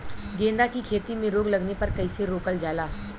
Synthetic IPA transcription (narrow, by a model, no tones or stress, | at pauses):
ɡẽːnd̪akikʰeːt̪imẽɾoːɡlɐɡnepɐɾkɐiːseɾoːkəld͡ʒaːlaː